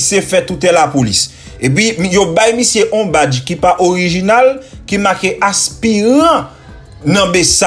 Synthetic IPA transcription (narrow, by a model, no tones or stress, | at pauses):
sjefɛt̪utɛlapolis | ep̬ɥimjobajmisjeʔõbad͡ʒkipaʔoʁiʒinalkimakeʔaspiʁɐ̃ | nɐ̃bes